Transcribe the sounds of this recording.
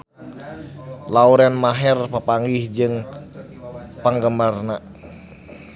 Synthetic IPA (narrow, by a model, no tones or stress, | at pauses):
lauɾɛnmaɦɛrpəpaŋɡihd͡ʒɨŋ | pəŋɡəmarna